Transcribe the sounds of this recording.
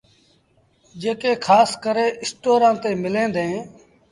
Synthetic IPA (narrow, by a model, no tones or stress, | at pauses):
d͡ʒeːkeːkʰaːskəɾeːʔɪsʈoːɾãːt̪eːmɪlẽːnd̪ẽː